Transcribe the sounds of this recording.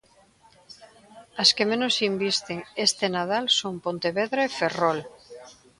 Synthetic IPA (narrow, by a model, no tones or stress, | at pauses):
askemẽnosimbist̪eŋest̪enað̞alsoŋpont̪eβeðɾaeferol